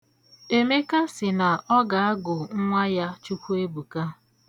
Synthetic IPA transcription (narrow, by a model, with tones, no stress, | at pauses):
e˨me˦ka˦sɪ˨na˨ɔ˦ɡa˨a˦ɡʊ˨ŋ̩˦ŋʷa˦ja˦t͡ʃu˦kʷu˦e˦bu˨ka˦